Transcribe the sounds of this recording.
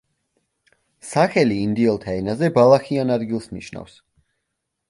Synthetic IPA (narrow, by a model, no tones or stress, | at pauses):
saχɛliːnd̪iɛlˠt̪ʰaɛnazɛbalˠaχianad̪ɡilˠsnḭʃna̰fs